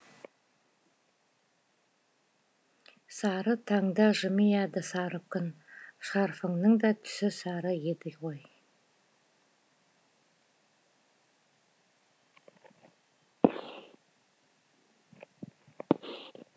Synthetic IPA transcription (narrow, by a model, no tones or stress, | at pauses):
sɑɾət̪ʰɑŋd̪ɑʒɪmijæd̪ɪsɑɾəp̚kʏnʃɑɾfəŋnəŋd̪ɑt̪ʰʏ̥sɪsɑɾəjed̪ɪkʁoj